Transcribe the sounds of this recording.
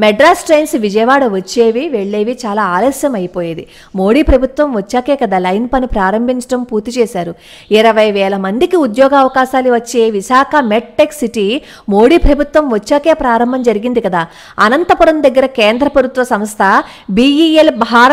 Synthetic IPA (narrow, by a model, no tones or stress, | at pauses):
mɛɖɾaːsʈɾɐjnsʋid͡ʒɐjɐʋaːɽɐʋɐt͡ʃːeːʋiʋe̞ɭːe̞ːʋit͡ʃaːlaːaːlɐsjɐmɐjipoːjeːd̪i | mo̞ːɽiːpɾɐbʱut̪ʋɐmʋɐt͡ʃːaːkeːkɐd̪aːlɐjnpɐnupɾaːɾɐmbʱiɲt͡ʃɐʈɐmpuːɾt̪it͡ʃɛːʃaːɾu | iɾɐʋɐjʋɛːlɐmɐnd̪ikiud̪jɔːɡaːʋɐkaːʃaːluʋɐt͡ʃːe̞ːʋiʃaːkʰɐmeʈ̚ʈeksiʈi | mo̞ːɽiːpɾɐbʱut̪ʋɐmʋɐt͡ʃːaːkeːpɾaːɾɐmbʱɐmd͡ʒɐɾiɡind̪ikɐd̪aː | ɐnɐnt̪ɐpuɾɐmd̪ɐɡːɐɾɐkeːnd̪ɾɐpɐɾut̪ʋɐsɐmst̪ʰɐ | biːielbʱaːɾ